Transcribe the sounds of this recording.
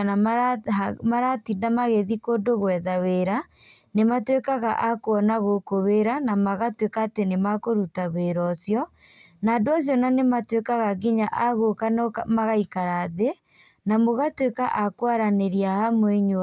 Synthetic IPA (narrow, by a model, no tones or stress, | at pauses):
na | maɾatidamaɣeðikoːdoɣwɛðaweɾa | nematwekaɣa̰ʔakoɔnaɣokoweɾanamaɣatwekaːtenemakoɾutaβeɾɔsjɔ | naːdoɔs̬jɔnanematwekaɣaɡiɲaʔaɣokanɔkmaɣaikaɾaðe | namoɣatwekaʔakwaɾaneɾiahamweɲo